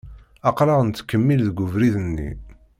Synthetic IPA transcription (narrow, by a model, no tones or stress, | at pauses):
ɑqɾɑʁənt̪ːkːəmːilðəɡʷʊvɾiðənːḭ